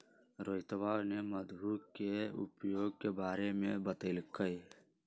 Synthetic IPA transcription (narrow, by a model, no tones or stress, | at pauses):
ɾoːɪt̪əʋaːneməd̪buːkkeʊ̰pjoːɡkebaːɾemẽbət̪eːlkəi